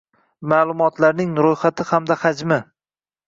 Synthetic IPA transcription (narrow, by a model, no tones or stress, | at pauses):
maːlˠʊmɒt̪ʰlaɾnɪŋɾojχat̪ʰɪhamd̪ahad͡ʒmɪ